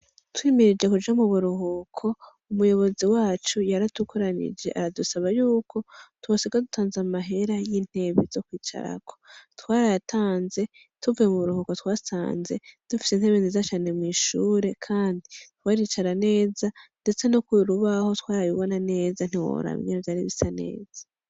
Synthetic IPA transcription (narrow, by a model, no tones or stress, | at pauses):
twiːmiɾid͡ʒe̞kud͡ʒamuβuɾuɦukʰo̞ | umujo̞βo̞ziwaːt͡ʃujaɾatukʰoɾanḭd͡ʒe̞̰ʔaɾadusaβajuːkʰo̞twasiɡadutʰaːnzamaɦe̞ɾajiːn̥he̞βizo̞kwiːt͡ʃa̰ɾa̰kʰo̞̥twaːɾajatʰaːnze̞ | tuvujemuβuɾuhuko̞twaːsa̰ːnze̞d̥ufi̥senhe̞βinezat͡ʃane̞mŋiːʃuːɾe̞kʰaːnditwaːɾit͡ʃaɾane̞ːzande̞t͡se̞nokwiɾuβaho̞twaːɾajiβo̞nane̞ːzan̥iwo̰ɾa̰ḭŋevjaːɾiβisane̞̰ːz̥ḁ